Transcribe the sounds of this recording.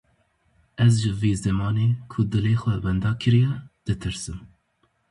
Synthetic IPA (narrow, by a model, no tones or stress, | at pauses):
ɛzʒɨveːzɛmɑːneːkʰʊd̪ɨleːxʷɛbɛnd̪ɑːkʰɨɾijɛd̪̥ɨt̪ʰɨɾsɨm